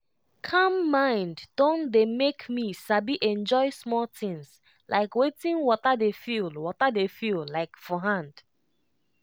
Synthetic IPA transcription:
kʰʌ̃mːãɪ̃ndd̥õndemekmisabiʔɛ̃nd͡ʒɔɪsmɔltɪ̃ŋs | lʔa̰ɪkwetɪ̃ŋwɔtədefilwɔtədefullaɪkfɔɦãnd̥

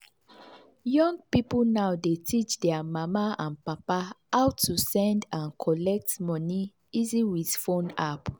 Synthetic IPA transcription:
jɔ̃ŋɡ̚piplnawdetʰit͡ʃdɛamamaãnpapaaʊtʰːusɛ̃ndãnkʰɔlɛk̚tmɔni | iziwidfõnap

